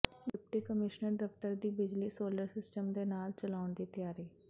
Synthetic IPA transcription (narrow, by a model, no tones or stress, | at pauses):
ɖɪp̚ʈiːkəmɪʃnəɾd̪əft̪əɾd̪iːbɪd͡ʒliːsoːləɾsɪsʈəmd̪eːnaːlt͡ʃəlaːʊɳd̪iːt̪ɪjaːɾiː